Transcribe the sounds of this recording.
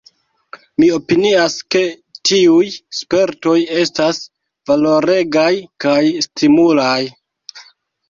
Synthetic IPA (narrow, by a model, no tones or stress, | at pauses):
mio̞piniaske̞ | tiujspe̞ɾto̞je̞stas | valo̞ɾe̞ɡajkajstimulaj